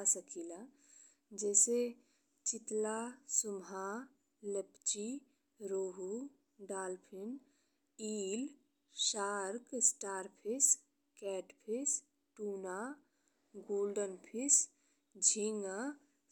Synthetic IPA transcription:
asəkʰila | d͡ʒɛːse | t͡ʃɪt̪lasʊmɦa | ləpt͡ʃi | ɾoːɦu | ɖaːlpʰɪn | iːl | ʃaːɾksʈaːɾpʰis | kɛːʈpʰis | ʈuːna | ɡoːlɖənpʰɪs | d͡ʒʱiŋa

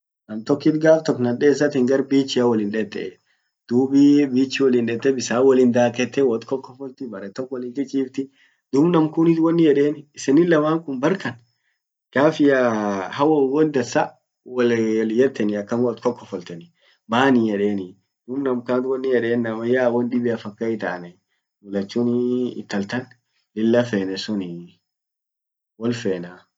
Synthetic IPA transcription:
nɐmt̪ɔkːɪt̪ɡaːft̪ɔkːnɐᶑeːs̬ːɐt̪ɪŋɡɐɾbiːt͡ʃːɪjɐwɐlɪnᶑɛt̪ːɛʔe | d̪̥uːbibiːt͡ʃːɪwɔlɪnᶑɛt̪ːɛbɪsaːwɐlɪnd̪aːkɛt̪ːɛwɔt̪kɔkːɔfɔlt̪ɪbɐɾɛt̪ːɔkːwɔlɪŋkɪt͡ʃʼiːft̪ɪ | d̪̥uːbnɐmkʊnɪt̪wɔnːɪjɛᶑeːnɪsɪnɪlɐmaːŋkʊmbɐɾkɐn | ɡ̥aːfɪjahɐwɔwɔnd̪ɐsɐ | wɐlljɛt̪ːɛnɪɐkːɐmwɔt̪kɔkːɔfɔlt̪ɛnɪ | baːnɪjɛᶑeːnɪ | d̪̥umnɐmkaːnt̪wɔnːɪjɛᶑeːnːɐmɐjaːwɔnɗɪbɪɐfɐkːɐɪt̪a̰ːnɛ | mʊlɐt͡ʃːuːnɪ̰ːt̪ːɐlt̪ɐn | lɪlːɐfeːnɛsʊnɪ | wɔlfeːna

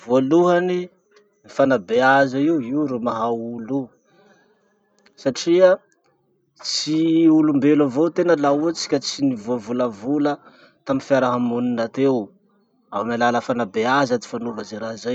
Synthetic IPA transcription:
vualuɦani | nifanabeazaiwiuɾumaɦaulu | saʈ͡ʂia | t͡siulumbelavot̪enəlaut͡si̥kʲat͡sinivuavuləvulə | t̪aminfjaɾaɦamuninat̪ew | awmalaləfanabeazad̪i̥fanovazeɾazaj

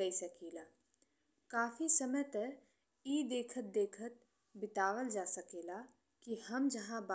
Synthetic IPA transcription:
ɐisɐkiːlaː | kaːfʰisəməjt̪ə | iːd̪eːkʰət̪̚d̪eːkʰət̪̚ | bɪt̪aːʋəld͡ʒaːsɐkeːla | kihɐmd͡ʒɐɦãb

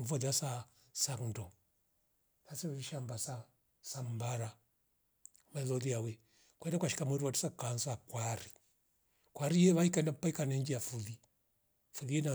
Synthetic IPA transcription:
mfɔðasa | saŋdɔ | nasɛɛiʃambasa | sambaɾa | malɔliawɛ | kwɛndakwaʃi̥kamwɛɾiwati̥sakansakwaɾi | kwaɾijɛβaikaɛndapaikanɛɲd͡ʒijafuði | fuðiɛna

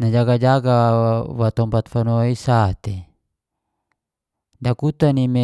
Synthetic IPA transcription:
nad͡ʒaɡad͡ʒaɡawat̪ɔmpat̪fanoaisat̪e | dakut̪anime

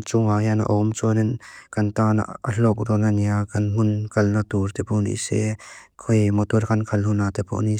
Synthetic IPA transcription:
t͡suŋajana̰ʔɔmt͡sɔnɛnkɐnt̪ana̰a̰ɬɔk̚ɾɔnaniakɐnɦʊnkɐlnat̪uɾt̪ɛpɔnḭsɛ̰kʰɔjmɔt̪uɾkʰankʰɐlnhunːat̪ɛpʰɔ̰ʔni

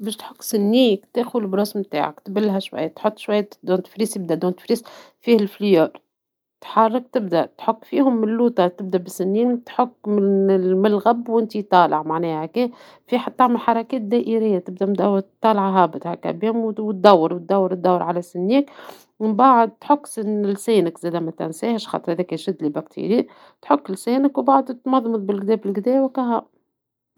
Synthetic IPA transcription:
bɛːʃt̪ħʊkːsɪnːiːkt̪eːxʊlbɾoːsmt̪a̰ːʕa̰kt̪bɪlːɦæʃwa̰jːt̪ħot̪ˤːʃwaj̪ːd̪uːnt̪fɾiːsɪb̚d̪æʔd̪uːnt̪ɪ̥fɾiːs | fiːhɪlfljoːɾ | t̪ħɑrˤːɑk̚t̪ɪb̚d̪æʔt̪ħʊkːfiːhʊmːɪlːuːt̪ɑt̪ɪb̚d̪æʔbɪsɪnːiːnt̪ħʊkːmɪnɪmɪlɣæbwʔɪnt̪it̪ˤɑːlɑʕmaʕnɛːhækeː | fiːħat̪ːaʕməlħɑɾˤɑkɛːt̪̚d̪æːʔiɾɪjːat̪ɪb̚d̪æʔmd̪æwt̪ːˤɑːlʕɦɑbɪt̪hækæ̰biːmwwt̪̚d̪æwːɑɾwt̪̚d̪æwːɑɾt̪̚d̪æwːɾʕalæsɪnːiːk | baʕd̪̚t̪ħʊkːsɪɪlsæːnɪkzɛːd̪æmæt̪æ̰nsæːhɪʃxɑ̰t̪ˤɨɾhæðɛːkæʃɪd̪libækt̪ʰḭɾiːʔ | t̪ħʊkːɪlseːnɪkwbaʕd̪ut̪mɑðˤmɨðˤbɪlɡd̪ɛːbɪlɡd̪ɛːwækæɦɑ

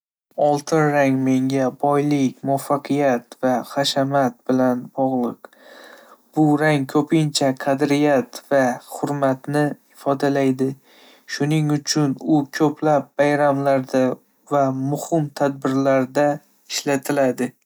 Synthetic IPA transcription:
ɒlˠt̪ʰɪnɾaŋme̞ŋɡʲabɒjlɪkʲmʊafːɑqʰɨjat̪vaχaʃamat̪̚bɪlanbɒʁlˠɨq | b̥ʊɾaŋkʰɵpʰɪnt͡ʃʰaqʰɑd̪ɾɪjat̪vaχhʊɾmat̪nɪɪfɒd̪alajd̪ɪ | ʃʊnɪŋʊt͡ʃʰʊnʊkʲʰɵpʰlap̚bajɾamlaɾd̪a | vamʊhɪmt̪ʰad̪̚bɪɾlaɾd̪a | ɪʃlat̪ʰɪlad̪ɪ

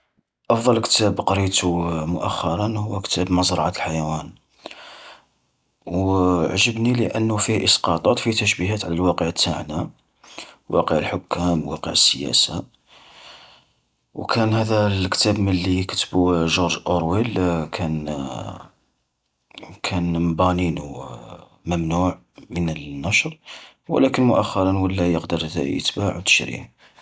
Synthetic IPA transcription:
ʔɑfd̪ˤɑlkə̥t̪æbqɑɾit̪umʊʔæxːɑɾˤɑnhʊwːækt̪æbməzˤɾˤɑʕat̪əlħajæwæn | wʕʒəbniləʔənːʊfihʔəsqɑt̪ˤɑt̪ˤfit̪əʃbiɦæt̪ʕlælwɑqəʕət̪ːaʕna | wʔɑ̰qəʕəlħʊkʰːæmwɑ̰qə̰ʕəsːəjæ̰sa | wkʰænhæd̪ælkt̪æbməlːikə̥t̪əbuʒʊɾʒʔoɾˤwilkʰæn | kʰænmbæninu | məmnuʕ | mənəlnːæʃɾˤ | wə̰lækənmʊʔæxːɑɾˤɑnwəlːæjəqd̪əɾ̰ˤjə̰t̪baʕwt̪ə̥ʃɾḭ

